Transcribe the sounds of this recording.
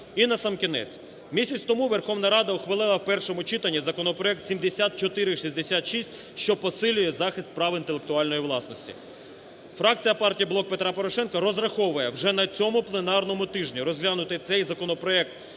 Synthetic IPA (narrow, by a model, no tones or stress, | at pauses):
inɐsɐmkʲinɛ̰t͡sʲ | mʲisʲɐt͡sʲt̪ɔmuʋerxɔʋnɐɾɑd̪ɐʊxʋelˠɪlˠɐwpɛrʃɔmʊt͡ʃit̪ɐnʲːizɐkɔnɔpɾɔɛk̚t̪sʲimd̪esʲat̪̚t͡ʃɔt̪ɪɾɪʃizʲd̪esʲat̪ʃisʲtʲ | ʃt͡ʃɔpɔsɪlʲʊjɛzɑxɪst̪̚pɾɑʋint̪elˠek̚t̪ʊɑlʲnɔjiʋlˠɑsnɔsʲtʲḭ | fɾɑk̚t͡sʲijɐpɑrtʲijiblˠɔk̚pe̞t̪ɾɑpɔɾɔʃɛnkɐɾɔzrɐxɔʋʊjɛwʒɛnɐt͡sʲɔmʊplˠenɑrnɔmʊt̪ɪʒnʲiɾɔzʲɦlʲanʊt̪ɪt̪sɛjzɐkɔnɔpɾɔɛk̚t̪